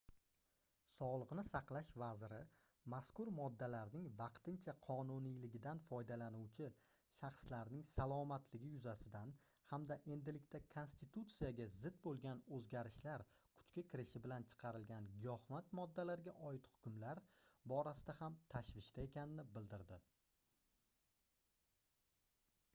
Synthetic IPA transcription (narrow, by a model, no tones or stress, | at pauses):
sɒʁlˠɨqnɪsɑqlˠaʃvazɪɾɪ | maskʊɾmɒd̪ːalaɾnɪŋvɑqt̪ɪnt͡ʃʰaqʰɒnunijlɪɡʲɪd̪anfɒjd̪alanuwt͡ʃʰɪ | ʃɑχslaɾnɪŋsalˠɒmat̪lɪɡʲɪjʊzasɪd̪an | hamd̪aʔe̞nd̪ɪlɪkʲt̪ʰakʰo̞nst̪ɪt̪ut̪sijaɡʲazɪd̪bolˠɡʲanɵzɡʲaɾɪʃlaɾ | kʰʊ̥t͡ʃkʲakʲʰɪɾɪʃɪbɪlant͡ʃʰɨ̥qʰɑɾɪlɡʲanɡʲɪɒhmat̪mɒd̪ːalaɾɡʲaʔɒɪt̪hʊ̥kʲʊmlaɾbɒɾasɪd̪ahamt̪ʰaʃvɪʃt̪ʰae̞kʲanɪnɪbɪld̪ɪɾd̪ɪ